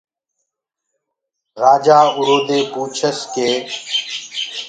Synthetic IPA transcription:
ɾaːd͡ʒaːʊɾoːd̪eːpuːt͡ʃʰəskeː

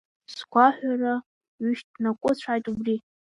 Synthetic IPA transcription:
sɡʷaħʷᶣara | ɥʏʃt̚dnakʷʼʊt͡ɕʷʰajtʼubri

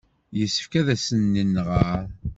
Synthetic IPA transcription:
jəsːə̥fkæðæsənːənːʁəɾ

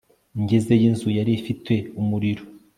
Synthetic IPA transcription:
ɲɟeze̞jinzujaɾiifitwe̞umuɾiɾo

